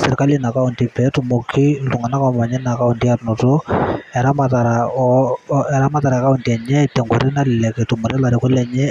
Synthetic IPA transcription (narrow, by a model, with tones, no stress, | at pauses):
sɛɾka˦li˦na˨ka˦unti˦pɛ˦tʊ˨mo˨kʰi˦tu˨ŋɡa˨na˦kaɔ˦ma˨ɲɛ˦na˨ka˦u˨nti˦atnɔ˨to˦ɛ˨ɾa˦mataɾa | ɛɾa˦ma˦ta˨ɾa˨ka˦u˨ntiɛ˨ɲɛ˦tɛ˨ŋɡɔ˨ɾɪ˦na˦lɪ˨lɛ˨kɛ˨tumʊ˨ɾɛ˦la˨ɾɪ˨kɔ˦lɛ˨ɲɛ˦